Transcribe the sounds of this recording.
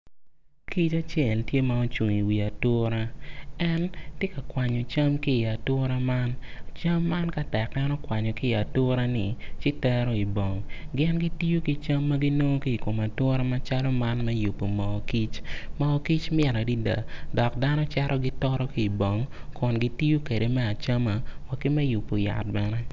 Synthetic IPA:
ki˦t͡ʃa˦t͡ʃjɛ˨ltje˦ma˦o˦t͡ʃwu˨ŋi˨wi˨a˨tʊ˦ɾa˦ɛ˦ntje˦ka˨kwa˨ɲo˨t͡ʃa˦mkiː˦˨a˨tʊ˦ɾa˦ma˦nt͡ʃa˦mːa˦nka˦tɛ˨kɛ˦nɔ˦kwa˨ɲɔ˨kiː˦˨a˨tʊ˦ɾa˦nɪ˨t͡ʃɪ˦tɛ˦ɾɔ˦i˨bo˨ŋɡɪ˦nɡi˦ti˦jo˦ki˦t͡ʃa˦mːɐ˦ɡi˦no˦kiː˦˨ko˨ma˨tʊ˦ɾa˦ma˦t͡ʃa˦lɔ˦ma˦nmɛ˦ju˨pːo˨mɔ˨ki˦t͡ʃmɔ˨˦ki˦t͡ʃmɪ˦ɛ˨ɾa˨di˦da̰˨dɔ˨kda˦nɔ˦t͡ʃɛ˦ɾʔɔ˦ɡi˦tɔ˦ɾɔ˦kiː˦˨bo˨ŋkʊ˨nɡi˦ti˦jo˦ke˨de˨mɛ˦a˨t͡ʃa˦ma˨wa˨ki˦mɛ˦ju˨pːo˨ja̰˨t̚bɛ˦nɛ˦

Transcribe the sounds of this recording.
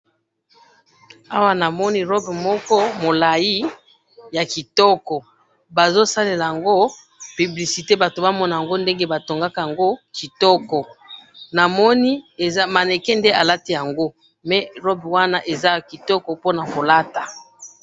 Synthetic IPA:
a˦wa˦na˨mɔ˦ni˦ʁɔ˦bmɔ˦kɔ˦mo˨la˨ji˦ | ja˨ki˨tɔ˦kɔ˨ | ba˨zo˦sa˦le˨la˨ja˨ŋɡo˦ | py˨bli˨si˨te˦ba˨to˨ba˦mɔ˦na˨ja˨ŋɡo˦nde˦ŋɡe˦ba˨to˨ŋɡa˦ka˨ja˨ŋɡo˦ki˨tɔ˦kɔ˨na˨mɔ˦ni˦e˨za˦ma˨ne˨kɛ˦nde˦a˨la˦ti˦ja˨ŋɡo˦ | mɛ˨˦ʁɔ˦bwa˦na˦ʔe˨za˦ki˨tɔ˦kɔ˨po˦na˨ko˨la˦ta˨

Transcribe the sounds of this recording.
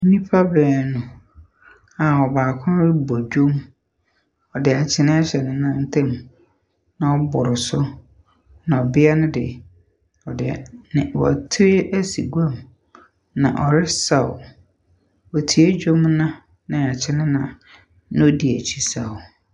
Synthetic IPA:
nĩ˦pʰa˦bɛː˨nʊ̃˨ | a˨ɔ˨baː˨kʰʊ̃˦ɾɪ˦bɔ˨d͡ʑo˦m | ɔ˨dɪ˨a˨t͡ɕʰɪ˨nɪ̃˦a˦ɕɛ˨nʊ̃˨˦nã˦n˦tʰɛ̃˦m | nã˨ɔ˦bʊ˨ɾɪ˨sʊ˦ | nã˨ɔ˨bɪ˦a˦nʊ̃˦dɪ̰˨ | ɔ˨dɪ˨nɪ̃˨wɔ̰˨tʰɾe˦ʔæ˦si˨ɡu˦a˦˨m | nã̰˨ʔɔ˨ɾɪ˦sa˦˨ʊ̰˨ | ɔ˨tʰi˨˦e˦d͡ʑᶣo˦mnã˦ | nɪ̃˨a˨t͡ɕʰɪ˦˨nɪ̃˦nã˨ | nɪ̃˦o˦di˨æ˨t͡ɕʰi˦sa˨ʊ˨

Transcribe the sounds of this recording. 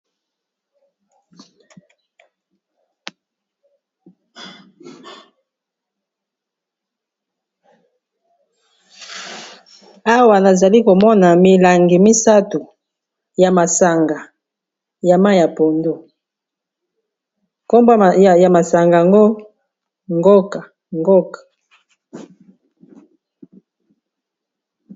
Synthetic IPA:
a˦wa˨na˨za˨li˦ko˨mɔ˦na˨mi˨la˨ŋɡi˨mi˦sa˦tu˨ | ja˨ma˨sa˨ŋɡa˨ | ja˨ma˦ja˨po˨ndu˦ | ko˦mba˦ja˨ma˨sa˨ŋɡa˨a˨ŋɡo˦ | ŋɡo˦ka˨ | ŋɡo˦kḁ˨

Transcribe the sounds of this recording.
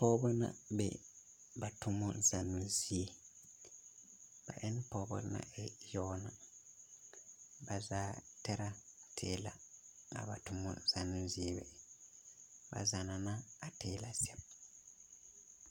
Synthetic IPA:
pɔː˦bɔ˦nã̰˨bɛ̰˨ | ba˨tʰʊ˦mɔ˦za˨nũ˦zi˦e˨ | b̥a̰˨ʔɛ˦n˦pɔː˦bɔ̰˦na̰˨˦ʔɛ˨jɔː˦na˨ | ba˨zaː˦tɛ˦ɾa˦tʰeː˦la̰˨a̰˨ba˨tʊ˦mɔ̰˨z̥a˨nũ˦zi˦e˦bɛ˨ | ba̰˨za˨na˨na˦a˨tʰeː˦la˨si˦ɛ˦b̚

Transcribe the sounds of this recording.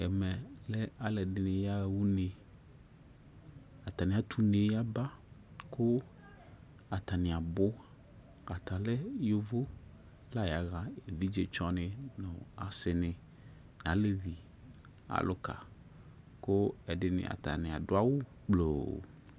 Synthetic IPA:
ɛ˨mɛ˨lɛ˦a˨lɛ˨ɖɪ˨nɪ̃˨ja˦wu˦ne˨ | a˨t̪a˨nɪ̃˨a˦t̪ʰu˦ne˨ja˦ba˦kʊ˦ | a˨t̪a˨nɪ̃˨a˨bʊ˦ | a˨t̪a˨lɛ˦jo˦vo˦ | la˦ja˨ɣa˨e˨vi˦d͡ʒe˦t͡ʃɔ˦nɪ̃˨nʊ̃˨a˨sɪ˨nɪ̃˨ | n˨ã˨˦le˦vi˨ | a̰˨lʊ˦ka̰˨ | ko˦ɛ˨ɖɪ˦˨nɪ̰̃˨ʔa̰˨t̪a̰˨nɪ̃˨a˨ɖʊ˦a˦wʊ˦ | k͡plo˨

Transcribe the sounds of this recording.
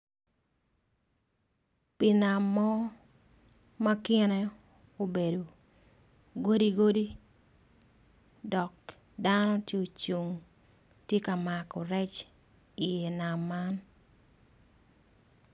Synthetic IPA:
pi˨na˨mːɔ˦ | ma˦kɪ˦nɛ˦ | o˨be˨do˨ | ɡo˦di˦ɡo˦di˦ | dɔ˨k̚ | da˦nɔ˦tje˦o˨t͡ʃu˨ŋ | tje˦ka˨ma˨kɔ˨ɾɛ˦t͡ʃ | i˨je˨na˨mːa˦n

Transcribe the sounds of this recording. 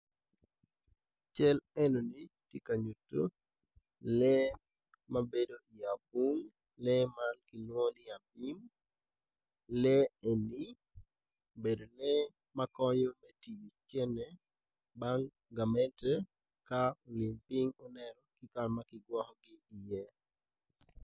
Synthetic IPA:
t͡ʃɛ˦lɛ˦no˨niti˦kaɲu˨tːo˦ | lɛ˦ | mabe˦do˦ʔi˨ja˨bu˦ŋ | lɛmankɪ˨nwɔ˦nɪ˦a˨bi˦m | lɛe˨ni˦ | be˨do˨nɛ | makɔɲɔ˦mɛ˦ti˨wi˨t͡ʃɛ˦nɛ | baŋ | ɡa˨mɛ˦ntɛ | kao˨lɪ˨mpi˦ŋɔ˦nɛ˨ɾɔkɪ˦karmakɪɡwɔ˦hɔɡɪː˦˨je˦

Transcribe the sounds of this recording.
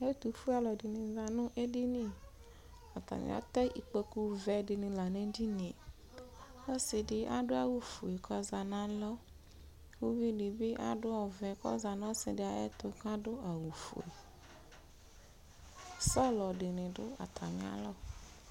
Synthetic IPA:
e˦t̪u˨fu˦a˨lɔ˨dɪ˨nɪ̃˨za˨nʊ̃˦ʔe˦dɪ˦nĩ˦ | a˨t̪a̰˨ɲ̰˨a̰˦t̪ɛ˦ʔi˨k͡pe˦ku˦vɛ˨dɪ˨nɪ̃˨la˨nẽ˦d͡ʒi˦nĩ˨ | wɔ˦sɪ˨dɪ˨ʔa˨dʊ˦a˨wu˨fo˨e˨kʰɔ˦za˨nã˨˦lɔ˦ | wu˦vi˦dɪ˨bɪ˦ʔa̰˦dʊ˦ɔ˨vɛ˨kɔ̰˦za˨nã˦sɪ˨dɪ˨˦a˨ɛ̰˦t̪ʊ˨ka˦dʊ˦a˨wu˨fo̰˨ḛ˨ | sɔ˦˨lɔ˨dɪ˨nɪ̃˨dʊ˦a̰˨t̪ʰa˨ɲ˨a̰˨˦lɔ˦

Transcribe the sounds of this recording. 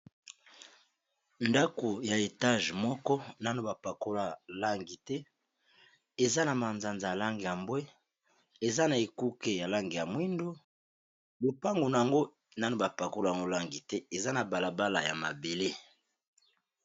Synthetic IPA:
nda˦ko˨ja˨e˨ta˦˨ʒmɔ˦kɔ˦na˦no˦ba˨pa˨ko˦la˦la˦ŋɡi˨tɛ˦ | e˨za˦na˨ma˨nza˨nza˨a˨la˦ŋɡi˨ja˨mbwe˦ | e˨za˦na˨e˨ku˦ke˦ja˨la˦ŋɡi˨ja˨mwi˦ndo˦ | bo˨pa˦ŋɡo˨na˨a˨ŋɡo˦ | na˦no˦ba˨pa˨ko˦la˦˨a˨ŋɡo˦la˦ŋɡi˨tɛ˦e˨za˦na˨ba˨la˨ba˦la˨ja˨ma˨be˨le˦

